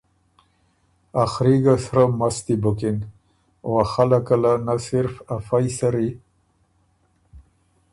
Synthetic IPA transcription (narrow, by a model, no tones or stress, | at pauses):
axɾiɡasɾamast̪ibʊkɪn | waxalakalanasɪɾfafajsaɾi